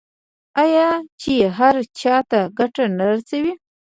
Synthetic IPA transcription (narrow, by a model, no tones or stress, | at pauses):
ajɑt͡ʃeeɦaɾt͡ʃɑt̪aɡaʈanaɾsawi